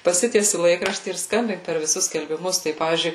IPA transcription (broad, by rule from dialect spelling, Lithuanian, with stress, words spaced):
pɐˈsʲɪtʲiɛsʲɪ ˈlˠɐɪkrɐʃʲtʲiː ɪr ˈskɐmʲbʲɪŋk pʲɛr ʋʲɪˈsʊs sʲkʲɛlʲbʲɪˈmʊs ˈtɐɪ ˈpɑːʋʲiːzʲd͡ʒʲʊɪ